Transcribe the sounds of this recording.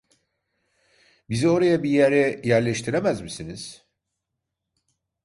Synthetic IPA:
bizo̞ɾajabijæɾɛjæɾlʲɛʃt̪ʰiɾemæzmisiniz̥

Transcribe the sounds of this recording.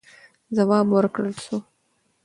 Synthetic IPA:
zawɑbwəɾkɽəlʃo

